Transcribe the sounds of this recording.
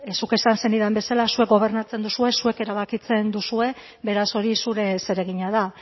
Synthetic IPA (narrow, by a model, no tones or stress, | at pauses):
suke̞sanse̞niðembe̞salasue̞k̚ɡo̞β̞e̞rnat͡se̞nd̪usue̞sue̞ke̞ɾaβ̞akit͡se̞nd̪usue̞ | βe̞ɾaso̞ɾisuɾe̞se̞ɾe̞ɣ̞iɲaða